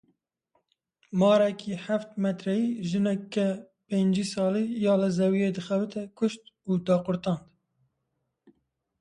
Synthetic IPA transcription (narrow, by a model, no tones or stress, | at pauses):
mɑːɾɛkʰiːħæft̪mɛt̪ɾɛjiːʒɨnɛkːɛ | peːnd͡ʒiːsɑːliːjɑːlɨzɛwijed̪ɨxɛbɨt̪ʰɛkʰʊʃt̪uːd̪ɑːqʊɾt̪ɑːnd̪